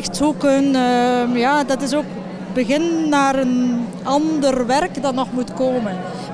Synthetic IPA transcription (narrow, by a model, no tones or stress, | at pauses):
xtsukənmjaːdɑtɪsoːk | bəɣɪnːaːrən | ɑndərʋɛrkdɑtnɔχmutkoːmən